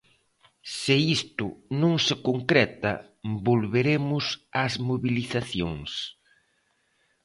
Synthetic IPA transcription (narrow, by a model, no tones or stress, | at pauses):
sɪist̪ʊnõŋsɪkoŋkɾɛt̪ɐ̰ | bolβeɾemʊsazmoβiliθaθjoŋs